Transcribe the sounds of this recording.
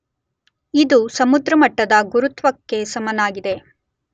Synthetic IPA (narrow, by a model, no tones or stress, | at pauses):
id̪usɐmud̪ɾɐmɐʈːɐd̪ɐɡuɾut̪ʋɐkːe̞sɐmɐnaːɡid̪e̞